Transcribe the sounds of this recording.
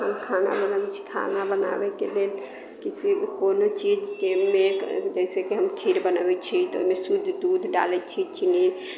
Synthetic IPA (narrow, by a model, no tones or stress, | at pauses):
ɦəmkʰana̰bənəbɛt͡ʃʰi̥kʰa̰nabəna̰bɛkelel | kisibkonot͡ʃid͡ʒkemekd͡ʒəɪsekeɦəmkʰiɾbənəbɛt͡ʃʰit̪o̰mesud̪ʱd̪ud̪ʱɖa̰lɛt͡ʃʰit͡ʃʰini